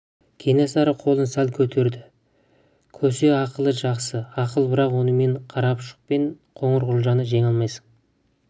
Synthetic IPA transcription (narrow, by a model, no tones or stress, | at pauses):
kʲʰe̞nesɑɾəqʰo̞lˠənsælkʲʰɵt̪ʰe̞ɾd̪ɪ | kʲʰɵse̞ɑqəlˠəʒɑqsəɑqəlˠbɪɾɑqwo̞nəme̞ɴqʰɑɾɑpʃə̥q̚pe̞ɴqʰo̞ɴəɾʁʊlˠʒɑnəʒe̞ŋɑlˠmɑjsə̥ɴ